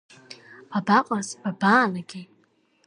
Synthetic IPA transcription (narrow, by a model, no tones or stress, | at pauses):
babaqʷʼazbabaːlaɡʲi